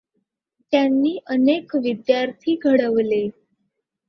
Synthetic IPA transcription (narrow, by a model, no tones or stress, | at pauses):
t̪janːiːʔənekʋid̪jaɾt̪ʰiːɡʱəɽəʋle